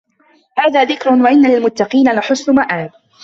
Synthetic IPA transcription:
haːðaːðɪkɾʊwaʔɪnːalɪlmʊt̪ːɑqiːnalaħʊsnʊmaʔaːt̪̚

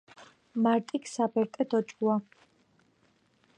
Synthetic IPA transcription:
maɾt̪ʼikʰsabɛɾt̪ʼɛd̪ɔt͡ʃʼua

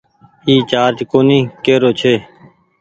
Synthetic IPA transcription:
iːt͡ʃaːɾt͡ʃkoːnĩːkeːɾoːt͡ʃʰeː

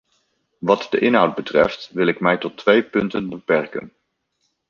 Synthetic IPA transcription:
ʋɑtdəʔɪnɦʌwd̚bətrɛftʋɪlɪkmɛjtɔtʰʋejpɵntənbəpɛrkə̰n

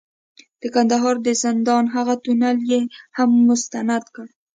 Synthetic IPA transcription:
d̪̥əkand̪aɦɑɾd̪əzɪnd̪ɑnɦaɣat̪unaljehamːʊst̪anad̪kəɽ

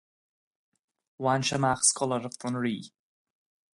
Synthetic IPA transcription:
wanʃəmaxskɔləɾəftʊnɹiː

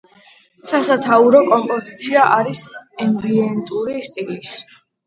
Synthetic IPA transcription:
sasat̪ʰauɾɔkʼɔmpʼɔzit̪sʰiaʔaɾisɛmbiɛnt̪ʼuɾist̪ʼilis

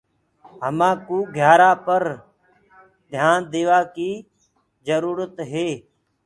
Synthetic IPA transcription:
ɦəmãːkuːɡʱjaːɾaːpəɾ | d̪ʱjaːnd̪eːʋaːkiː | d͡ʒəɾuːɾət̪ɦeː

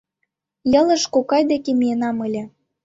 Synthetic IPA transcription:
jɤ̆lə̆ʃkokɑjd̪ekemijenɑməlʲĕ

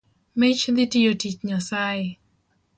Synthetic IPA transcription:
mɪt͡ʃd̪ɪtijotit͡ʃɲasajɪ

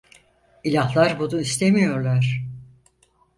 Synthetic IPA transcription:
ilʲahlˠaɾbunuist̪ʰemijo̞ɾlˠaɾ̥

